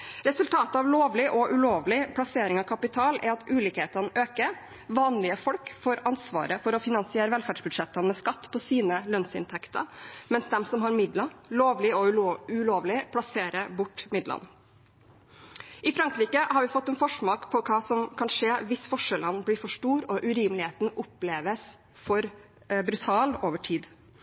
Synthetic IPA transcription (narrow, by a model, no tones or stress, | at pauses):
ɾɛsʉlt̪ʰɑːt̪əɑʋloːʋlɪʔɔʔʉloːʋlɪpʰlɑseːɾɪŋɑʋkʰɑpɪt̪ʰɑːlæ̰ɾɑt̪ʉːliːkheːt̪ənʔøːkəɾ | ʋɑːnlɪəfɔlkfoːɾɑnsʋɑ̰ːɾəfɔɾɔfɪnɑnsɪeːɾəʋɛlfæːɖʂbʉd̪ʂɛt̪ːənmɛskɑt̪ːpʰɔsiːnəlœnsɪ̰nt̪ʰɛkt̪ə̰mɛnsd̪ɛmsɔmɦɑɾmɪd̪lɑloːʋlɪɔʉloːʋlɪpʰlɑseːɾəbʊʈːmɪd̪lɑ̰n | ʔɪfɾɑŋkɾiːkəhɑɾʋɪfɔt̪ːɛnfɔʂmoːkpʰɔkʰɑːsɔmkʰɑnʂeːʋɪsfɔʂəlɑnːblɪɾfɔʂʈuːɾɔʔʉɾiːmlɪheːt̪n̩ɔpleːʋəs | fɔɾ | bɾʉt̪ʰɑːloːʋəʈʰiːd̪